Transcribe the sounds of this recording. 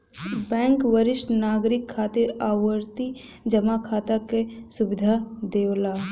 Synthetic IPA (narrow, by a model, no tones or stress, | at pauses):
bɛ̃ːŋkʋəɾɪʃʈnaːɡɾɪkʰːaːt̪ɪɾaːwəɾt̪i | d͡ʒɐmakʰaːt̪akesʊʋɪd̪ʱad̪eːlaː